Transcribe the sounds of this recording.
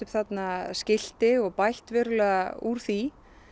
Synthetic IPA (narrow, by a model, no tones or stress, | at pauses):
ʏpθat̪nascɪl̥t̪ɪɔɣpajht̪vɛːɾʏlɛɣauɾ̥θi